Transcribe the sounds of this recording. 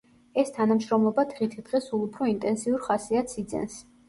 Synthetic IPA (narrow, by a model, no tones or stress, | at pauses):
ɛst̪ʰanamʃɾɔmlˠɔbad̪ʁit̪ʰid̪̥ʁɛsulˠupʰɾɔint̪ʼɛnsiuɾχasiat̪sʰid̪zɛ̰ns